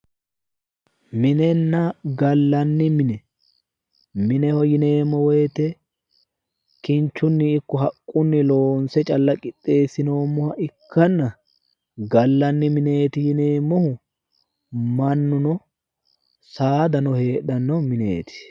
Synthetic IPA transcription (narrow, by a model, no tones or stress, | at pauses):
mɪnɛnːɐɡɐlːɐnːɪmɪnɛ | mɪnɛhɔjɪne̞ːmːɔweːt̪ɛ | kɪnt͡ʃːʊnːɪːkːɔɦɐkʼːʊnːɪlo̞ːnsɛt͡ʃʼɐlːɐkʼɪt̪ʼːe̞ːsɪno̞ːmːɔhɐʔɪkːɐnːɐ | ɡɐlːɐnːɪmɪne̞ːt̪ɪjɪneːmːɔhʊ | mɐnːʊnɔ | saːd̪ɐnɔhe̞ːɗɐnːɔmɪnḛːt̪ɪ̥